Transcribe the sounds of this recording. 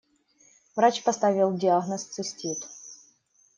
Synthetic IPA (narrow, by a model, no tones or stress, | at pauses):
vɾat͡ɕpɐst̪avʲɪlˠdʲɪaɣnəst̪sɨsʲtʲit̪